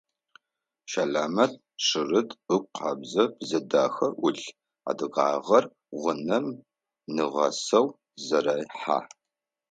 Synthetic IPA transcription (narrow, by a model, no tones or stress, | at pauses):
ʃaɮaːmɐt | ʂɨrɨtɨk̚ʷʼqʰɑbzɐbzɐdaːxɐʔʊɮ | a̰dɨʁɑ̰ːʁɐr | ʁʷʊnɐm | nɨʁɐ̰sɐw | zɐɾaːjħa̰ː